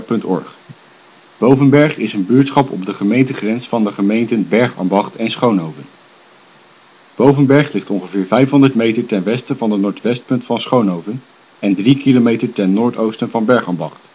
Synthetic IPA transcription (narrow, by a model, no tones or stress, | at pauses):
pɵntɔ̰ɹχ | b̥owvənbɛɹχɪsənbʏːɹtsχɑpɔ̰b̚dəχəmejntəχrɛnsfɑndəχəmejntənbɛɹχɑ̰mbɑχtʰɛnsχownɦowvən | b̥owvənbɛɹχlɪχtɔŋχəvɪːɹvɛjfɦɔndəɹtmejtəɹtɛnʋɛstəvɑndənɔːɹtʋɛst̚pɵntfɑnsχownɦowvən | ɛndrikilomejtəɹtɛnːʊːɹtowstənvɑnbɛɹχɑmbɑχt